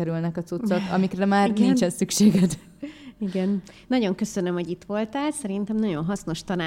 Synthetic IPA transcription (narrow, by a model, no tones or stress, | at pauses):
ɛɾylnɛkɒt̪sut̪sokɒ̰mikrɛmaːrkint͡ʃɛnsykʃeːɡɛd̪ | iɡɛn | nɒɟo̞ŋkø̞sønømho̞ɟit̪ʋo̞lt̪aːlsɛɾint̪ɛmnɒɟo̞nɦɒsno̞ʃt̪ɒnaː